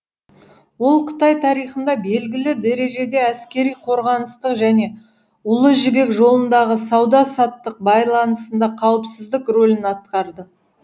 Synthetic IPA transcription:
wo̞lˠqʰə̥t̪ɑjt̪ʰɑɾijχənd̪ɑbe̞lɡʲɪlɪd̪eɾe̞ʒe̞d̪e̞æskʲe̞ɾijqʰo̞ɾʁɑnəst̪əqʒæne̞ | ʊlˠəʒɪbe̞kʒo̞lˠənd̪ɑʁəsɑwd̪ɑsɑt̪ːəq̚bɑjlˠɑnəsənd̪ɑqʰɑwəpsɪzd̪ɪkro̞lʲɪnɑt̪̚qɑɾd̪ə

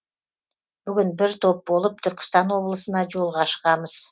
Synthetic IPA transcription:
byɡynbiɾt̪ʰo̞p̚bo̞lˠup̚t̪ʰʏɾkʏ̥st̪ɑno̞βlˠəsənɑd͡ʒo̞lˠʁɑʃqɑməz̥

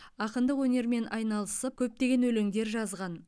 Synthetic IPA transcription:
ɑqənd̪əqwɵne̞ɾme̞nʔɑjnɑlˠəsəp̚kʲʰɵp̚t̪e̞ɡʲe̞nwɵleŋd̪e̞ɾʒɑzʁɑn

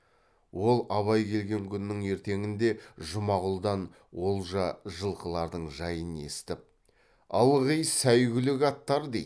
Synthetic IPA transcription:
wʔo̞lˠɑβɑjkʲʰe̞lɡʲe̞ŋkʲʰʏnɪːɪŋe̞ɾt̪e̞ŋɪnd̪e̞ʒʊmɑʁʊlˠd̪ɑn | wo̞lˠʒɑʒəlˠqəlˠɑɾd̪əɴʒɑjəne̞̰st̪ɪp̚ | ɑ̰lˠʁijsæjɡʲɪlɪɡɑt̪ːɑɾd̪ej

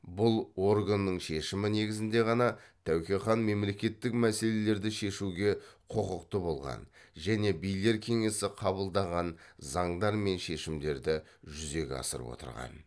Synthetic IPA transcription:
bʊlˠo̞rɡanːəɴʃe̞ʃɪmɪne̞ɡʲɪzɪnd̪e̞ʁɑnɑt̪ʰæwkʲeχɑnme̞mle̞kʲe̞t̪ːɪkmæse̞le̞le̞ɾd̪ɪʃe̞ʃuɡʲe̞qʰo̞qəqt̪əbo̞lˠʁɑ̰nʒæne̞bijle̞ɾkʲʰe̞ŋe̞sɪqʰɑbəlˠd̪ɑʁɑnzɑɴd̪ɑɾme̞nʃe̞ʃɪmd̪e̞ɾd̪ɪ | ʒʏze̞kʲɑ̰sə̰ɾ̰pwo̞̰t̪ə̰ɾʁɑ̰n

